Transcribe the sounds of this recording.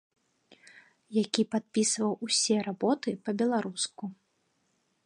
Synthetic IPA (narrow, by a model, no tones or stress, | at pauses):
jakʲipat̪̚pʲisvɐwusʲɛɾabɔt̪ɨpɐbʲɛlˠaɾusku